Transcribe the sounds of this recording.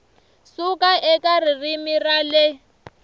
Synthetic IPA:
sukʼaʔɛkʼaririmiralɪ

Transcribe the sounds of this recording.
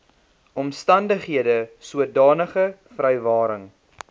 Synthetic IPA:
ɔmstɐndəχɦiədəsuət̚dɑːnəχəfrɛjvɑːɾəŋ

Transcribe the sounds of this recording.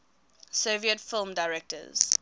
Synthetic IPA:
soviətfɪlˠmdaɪɹɛk̚tə̰z̥

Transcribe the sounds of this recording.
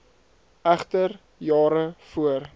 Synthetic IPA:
æχtər | jɑːɾəfuər

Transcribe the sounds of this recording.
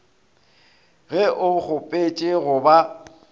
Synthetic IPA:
ɣɛʔʊk͡xʊpʼet͡ʃʼɪɣʊba

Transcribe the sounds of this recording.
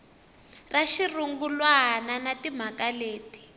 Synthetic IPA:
raʃiruŋɡulwaɦnanatim̤akaleːti̥

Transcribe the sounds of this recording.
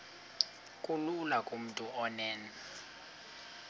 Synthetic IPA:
kʼululakʼum̩tʼuʔɔnɛːnɛ

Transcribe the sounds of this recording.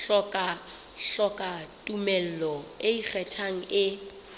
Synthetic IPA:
ɬɔkʼa | ɬɔkʼatʼumɛl̩lɔɪik͡xʰɛtʰaŋ̩ɪ

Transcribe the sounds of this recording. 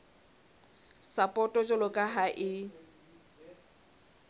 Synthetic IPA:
sapʼɔtʼɔt͡ʃʼɔlʊkʼaɦaʔɪ

